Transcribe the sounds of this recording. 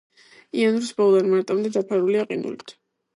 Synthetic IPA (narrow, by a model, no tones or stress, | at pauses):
ianɾisbɔlˠd̪aɾmaɾt̪ʼamd̪ɛd̪apʰaɾuliaqʼinṵlit̪ʰ